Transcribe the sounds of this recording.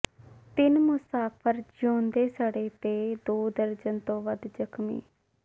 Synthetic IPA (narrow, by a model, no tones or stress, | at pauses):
t̪ɪnmʊsaːpʰəɾd͡ʒõːnd̪eːsəɽeːt̪eːd̪oːd̪əɾd͡ʒənt̪õːʋəd̪d͡ʒəkmḭː